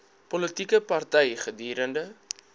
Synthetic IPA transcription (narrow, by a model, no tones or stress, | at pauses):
pɔlətikəpɐrtɛjχədiːɾəndə